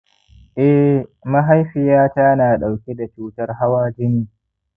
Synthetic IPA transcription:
ʔɛ˦mɐ˦ɦa˦jɸɪ˨jaː˦ta˦naː˨ɗa˨wkʲe˦da˨t͡ʃuː˦tɐ˦rɦa˦waː˦d͡ʒɪ˦niː˦

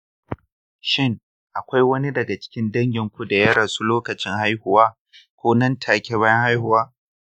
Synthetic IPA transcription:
ʃɪ˦ŋ | ʔa˨kʷa˦jwɐ˦ni˦dɐ˨ɡa˨t͡ʃɪ̥˦kʲɪ˦ndɐ˦ŋɡʲɪ˨ŋkʷu˦da˨jɐ˦ɽaː˨su˦loː˦kɐ˨t͡ʃɪ˦ŋha˦jhʊ˨waː˦ | kʷoː˦nɐ˦ntʰaː˨kʲe˦βaː˦jɐ˦ŋha˦jhʊ˨waː˦

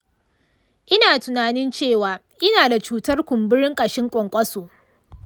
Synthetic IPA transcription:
ʔɪ˦naː˨tʊ˨naː˨nɪ˦nt͡ʃeː˦˨waː˨ | ʔɪ˦naː˨da˨t͡ʃuː˦tɐ˦rkʷʊ˨mbɪ˦ɾɪ˦ŋkʼɐ˨ʃɪ˦ŋkʷʼɔ˨ŋkʷʼɐ˦soː˨

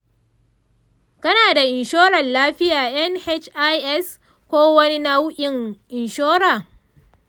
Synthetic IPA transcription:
kɐ˦naː˨da˨ʔɪ˨nʃoː˦ɾɐ˨nlaː˦ɸɪ˦jaː˨jɐ˦nhɛ˦t͡ʃʔa˦jʔɛ˦˨s | kʷoː˦wɐ˦ni˦na˦wʔʲɪ˨ŋʔɪ˨nʃoː˦ɾaː˨

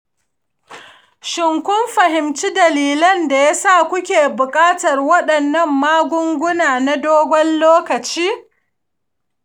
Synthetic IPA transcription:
ʃɪ˨ŋkʷʊ˦mɸɐ˨ɦɪ˨mt͡ʃi˦dɐ˨liː˨lɐ˦nda˨ja˦sa˦˨kʷʊ˦kʲeː˨bʊ˨kʼaː˦tɐ˨rwɐ˦ɗɐ˨nːɐ˦mːaː˦ɡʷʊ˦ŋɡʷʊ˦naː˨na˦doː˦ɡʷɔ˦nloː˦kɐ˨t͡ʃiː˦

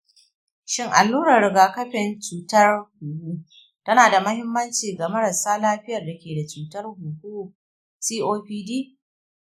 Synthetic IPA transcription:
ʃɪ˦ŋʔa̰˨lːuː˦ɾɐ˨ɾɪ˨ɡaː˨kɐ˦ɸɪ˨nt͡ʃuː˨tɐ˦rhuː˨hu˦ | tɐ˦naː˨da˨mɐ˦hɪ˦mːɐ˦nt͡ʃiː˨ɡa˨mɐ˦ɾɐ˨saː˦laː˦ɸɪ˦jɐ˨rda˨kʲeː˨da˨t͡ʃuː˨tɐ˦rhuː˨hu˦˨ | siː˦ʔoː˦ɸiː˦diː˦

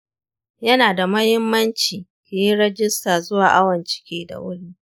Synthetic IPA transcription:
jɐ˦naː˨da˨mɐ˦hɪ˦mːɐ˦nt͡ʃiː˨kʲe˨ji˦ɽɛ˦d͡ʒɪ˦staː˨zʊ˦waː˨ʔa˦wɐ˨nt͡ʃɪ̥˦kʲeː˦da̰˨wʊ˦ɽiː˦

